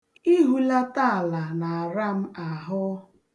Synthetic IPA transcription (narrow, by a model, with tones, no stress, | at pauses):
i˦ɦu˦la˦ta˦˨a˨la˨na˨a˨ɾa˦m̩˦a˨ɦʊ˦